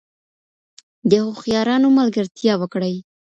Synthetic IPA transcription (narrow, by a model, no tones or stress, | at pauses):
d̪əhoxjɑɾɑnomalɡəɾt̪jɑwəkɽəj